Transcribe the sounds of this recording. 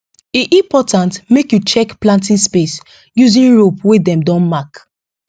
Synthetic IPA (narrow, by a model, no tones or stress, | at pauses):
iʔĩmpɔtãntmekjut͡ʃɛkplãntĩnspes | juzĩnɹopwedɛ̃mdɔ̃nmak